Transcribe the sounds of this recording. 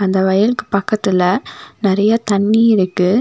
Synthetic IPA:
ɐnd̪ɐʋɐjɐlkːɯpɐkːɐt̪ːɪlɐnɪɾɐjɐt̪ɐɳːiɪɾɯkːɯ

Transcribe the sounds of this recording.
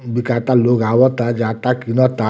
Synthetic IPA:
bikat̪aloɡawɔt̪ad͡ʒat̪akinɔt̪a

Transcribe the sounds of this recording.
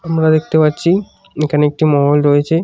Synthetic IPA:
amɾad̪ek̚ʰt̪epatːɕʰi | ekʰanoek̚ʈimɔɦolɾojet͡ɕʰe

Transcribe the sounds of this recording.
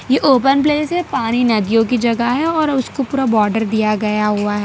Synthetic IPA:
jeʔoːpənpleːsɦɛpaːɽ̃inɐd̪ijõk̬id͡ʒɐɡaɦɛɔːɾʊskopuːɾabɔːɾɖəɾd̪ijaɡɐjaɦʊaɦɛː

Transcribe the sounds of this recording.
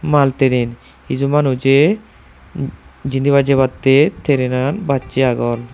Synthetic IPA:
malt̪eɾen | id͡ʒumanut͡ʃe | d͡ʑind̪iβad͡ʒeβat̪ːet̪ʰeɾenanbatːt͡ʃiaɡɔl

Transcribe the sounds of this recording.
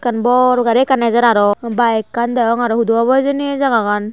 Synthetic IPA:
kanbɔɾɔɡaɾɛkanazaɾaɾɔbajkandaɔŋaɾɔhuduaβajzɯnezaɡaɡan

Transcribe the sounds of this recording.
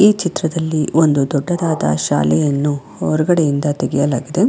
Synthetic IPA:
iːt͡ʃit̪ɾɐd̪ɐlːiond̪ud̪ɔɖːɐd̪aːd̪ɐ̰ʃa̰ːlɛjɐnːu | ɔɾuɡɐɽejind̪ɐt̪eɡɛjɐlaːɡid̪e̞

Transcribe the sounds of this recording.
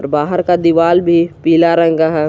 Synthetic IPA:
ɾbaːɦəɾkad̪iʋaːlbʱipiːlaɾə̃ŋɡaɦɛ

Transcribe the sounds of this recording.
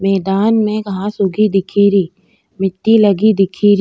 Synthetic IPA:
mɛːd̪aːnmẽkɐɦãsʊɡid̪ɪkʰiːɾiː | mɪt̪ːilɐɡid̪ɪkʰiːɾi

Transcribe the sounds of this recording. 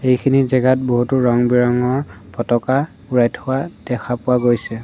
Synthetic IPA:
ejkʰinizɛɡat̚boɦutuɹɔŋbiɹɔŋɔɹpɔtɔka | uɹajtʰʊwad̥ɛxʰapʊwaɡojsɛ

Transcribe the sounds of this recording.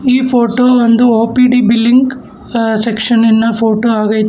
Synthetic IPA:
iːpʰoːʈoːond̪uoːpiːɖibilːiŋɡ | sekʂɐninːɐpʰoːʈoːaːɡɐjt̪

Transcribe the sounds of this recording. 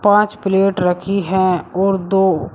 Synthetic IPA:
pãːt͡ʃpɪleːʈɾəkʰiɦɛɔːɾd̪oː

